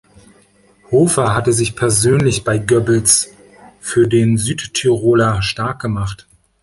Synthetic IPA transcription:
hoːfaɦatəzɪçpʰɛɐzøːnlɪçb̥aɪɡœbl̩s | fyːɐdeːnzyːtʰːyʁoːlaʃtaɐk̚ɡ̥əmaχt

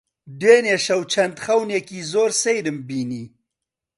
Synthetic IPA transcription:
d̪weːneʃɐwt͡ʃʰɐnd̪xɐwnekizoːɾsejɾəmbini

